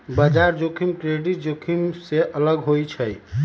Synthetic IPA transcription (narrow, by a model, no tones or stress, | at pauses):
bəd͡ʒaɾd͡ʒokʰimkɾeɖiʈ̚d͡ʒokʰimseʔələɡɦojt͡ʃʰəj